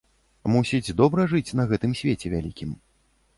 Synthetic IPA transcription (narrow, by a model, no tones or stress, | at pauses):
musʲid͡zʲd̪ɔbɾɐʐɨt͡sʲn̪ɐɣɛt̪ɨmsʲvʲet͡sʲɛvʲalʲikʲim